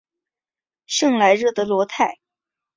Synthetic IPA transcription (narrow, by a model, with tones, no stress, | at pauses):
ʂɤ˥˧ŋla˧˥ɪɻɤ˥˩d̪ə˨lwɔ˧˥t̪ʰa˥˩ɪ